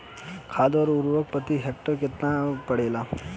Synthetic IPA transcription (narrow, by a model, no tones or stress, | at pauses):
kʰaːd̪ɔɾuɾʋək̚pət̪iɦek̚ʈəɾket̪napəɽela